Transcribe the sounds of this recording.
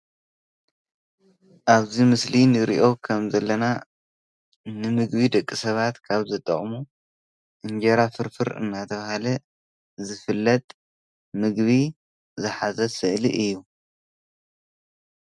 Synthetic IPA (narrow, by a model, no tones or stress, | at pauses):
ʔaβzimɨslinɨɾḭʔo̞kʰɐmzɐlːɐna | nɨmɨɡbid̪ɐkʼːisɐβat̪kʰaβzɐt̪ʼɐ̰χʼmu | ʔɨnd͡ʒɐɾafɨɾfɨɾɨ̰nːat̪ʰɐβahalɐ | zɨfɨlːɐt̪ʼ | mɨɡβi | zɨħazɐsɨʔlḭʔɨjːu